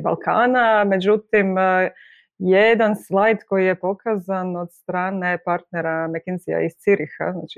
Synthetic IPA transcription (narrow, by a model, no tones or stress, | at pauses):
ba̰lˠkʰa̰ːname̞d͡ʒut̪im | jed̪anslˠajt̪ko̞jije̞po̞kazano̞d̪st̪ɾaːne̞paɾt̪ne̞ɾamekinsia̰ist̪siɾixa̰zna̰ːt͡ʃi̥